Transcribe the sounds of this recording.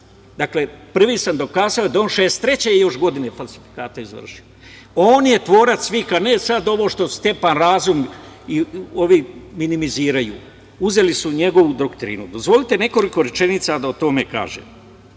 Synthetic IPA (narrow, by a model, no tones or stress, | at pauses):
d̪akle̞pr̩ʋiːsamd̪o̞kaːzaojd̪aonʃeːst̪ːɾe̞t͡ɕejjo̞ʃɡo̞d̪inefalˠsi̥fi̥kaːt̪aizʋə̰rʃio | oːnje̞t̪ʋo̞ːɾat̪sʋixanesad̪o̞ʋo̞ʃt̪o̞st̪e̞panɾaːzumio̞ʋiminimiziːɾajṵː | uze̞lisuɲe̞ɡo̞ʋud̪okt̪ɾḭːnud̪o̞zʋo̞lit̪e̞ne̞ko̞liko̞ɾe̞t͡ʃe̞nit̪sad̪aot̪o̞me̞ka̰ːʒḛːm